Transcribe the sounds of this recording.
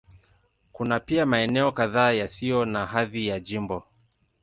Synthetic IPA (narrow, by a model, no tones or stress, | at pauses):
kunapiamaɛnɛɔkaðaːjasijɔnaɦaðijad͡ʒimbɔ